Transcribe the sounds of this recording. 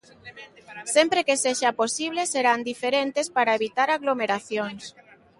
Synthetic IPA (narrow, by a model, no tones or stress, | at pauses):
sempɾekeseʃaposiβ̞leseɾand̪ifeɾent̪espaɾaeβit̪aɾaɣlomeɾaθjoŋs